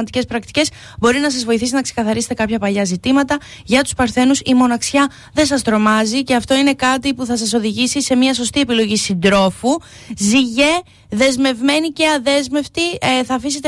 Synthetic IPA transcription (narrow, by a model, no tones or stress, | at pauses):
d̪ice̞spɾɐk̚t̪i̥ce̞s | bo̞ɾinɐs̬ɐzvo̞iθisinɐksekɐθɐɾiset̪e̞kɐpçɐpɐʎɐzit̪imɐt̪ɐ | ʝɐt̪u̥spɐɾθe̞nusimo̞nɐksçɐ | ðe̞nsɐst̪ɾo̞mɐzice̞ɐft̪o̞ine̞kɐt̪ipuθɐsɐso̞ðiʝisise̞miɐs̬o̞st̪ie̞pilo̞ʝisind̪ɾo̞fu | ziʝe̞ | ðe̞zme̞vme̞nice̞ɐðe̞zme̞ft̪iθɐːfise̞t̪e